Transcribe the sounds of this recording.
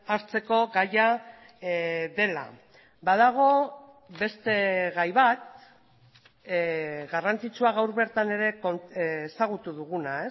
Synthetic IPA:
aɾt͡se̞ko̞ɣaja | ðe̞la̰ | baðaɣ̞o̞ | βe̞st̪e̞ɣajβat̪̚ | ɣarant͡sit͡suaɣawɾβe̞ɾt̪ane̞ɾe̞konːsaɣ̞ut̪uðuɣunae̞

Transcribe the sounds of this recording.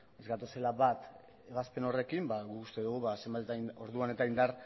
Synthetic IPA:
ezɡat̪ose̞laβat̪ | e̞βaspe̞no̞re̞kimbaɣukust̪e̞ðuɣ̞uβase̞mbat̪et̪ano̞ɾðuane̞t̪aind̪aɾ

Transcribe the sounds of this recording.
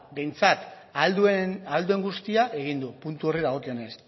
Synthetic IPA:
be̞jnt͡sat̪ | ald̪uenald̪ue̞ŋɡust̪iaʔe̞ɣ̞ind̪upunt̪uo̞riɾaɣ̞o̞kio̞ne̞s

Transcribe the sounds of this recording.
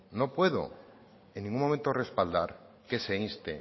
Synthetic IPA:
no̞pwe̞ðo̞̰ | eŋnːĩŋɡũmomẽ̞nt̪ore̞spald̪aɾ | ke̞seinst̪ḛ

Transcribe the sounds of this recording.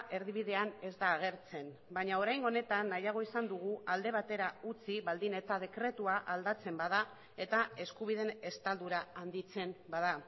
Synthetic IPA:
ʔe̞ɾðiβ̞iðe̞ane̞zd̪aːɣ̞e̞ɾt͡se̞n | baɲao̞ɾajŋɡo̞ne̞t̪anːajaɣ̞o̞isand̪uɣ̞uʔald̪e̞β̞at̪e̞ɾaut͡siβald̪ine̞t̪að̞e̞kɾe̞t̪uaʔald̪at͡se̞mbaða | e̞t̪ae̞skuβ̞ið̞e̞ne̞st̪ald̪uɾaand̪it͡se̞mbaða

